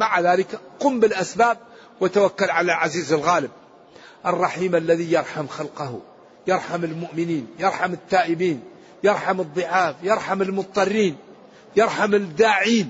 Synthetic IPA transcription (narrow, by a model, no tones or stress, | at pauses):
maʕaðaːlɪkquːmbɪlʔasbaːb̚ | wat̪awakːalʕalalʕaziːzɪlɣaːlɪb̚ | ʔɑrˤːɑħiːmalːaðijɑɾˤħamxalqah | jɑɾˤħamɪlmʊʔmɪniːnjɑɾˤħamɪt̪ːaːʔɪbiːn | jɑɾˤħamɨd̪ˤːɨʕaːfjɑɾˤħamɪlmʊt̪̚ˤt̪ˤːɑrːiːn | jɑɾˤħamɪd̪aːʕiːn